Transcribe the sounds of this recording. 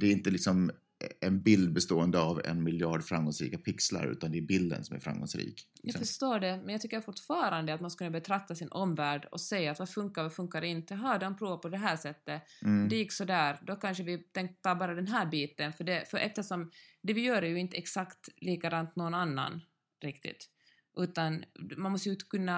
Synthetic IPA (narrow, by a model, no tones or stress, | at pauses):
d̪̥ɛɾɪnt̪əlɪksɔm | ɛnbɪld̪̚bɛst̪oːɛnd̪əavɛ̰nmɪljɑːɖfɾamɡɔŋsɾḭːkapʰɪksla̰ɾʉ̟̰ːt̪and̪ɛːbɪld̪ə̰nsɔmæ̰ɾfɾa̰mɡɔ̰ŋsɾḭːkjafœʂt̪oːɖɛmɛnjaɡt̪ʏkːəɾfʊʈːfɑːɾand̪əat̪manskɵnːabɛt̪ʰɾak̚t̪asɪnʔɔmvæːɖɔ̰sɛjːaːt̪vafɵŋkaɾvafɵŋkːaɾɪnt̪əɦɑd̪ɔnpʰɾuːvapɔd̪ɛɦæːʂɛt̪ːəd̪ɛjɪkːsɔd̪æːɾd̪ɔkanʂəvɪt̪ʰɛŋk̚t̪ʰːɑbɑːɾad̪ɛnɦæːɾbiːt̪ənfœɖɛfœɾʔɛft̪əʂɔmd̪ɛvɪjœːɾɛjʉɪnt̪əɛksakt̪liːkaɡɾant̪̚noɔɡɔnanːa̰n | ɾɪkt̪ɪ̰t̪ | ʔʉ̟ːt̪anmanmɔst̪əjt̪kʰɵnːa